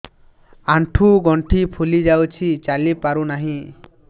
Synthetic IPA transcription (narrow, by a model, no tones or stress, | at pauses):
aɳʈʰuɡɔɳʈʰipʰulid͡ʒawt͡ʃʰit͡ʃalipaɾunaɦĩ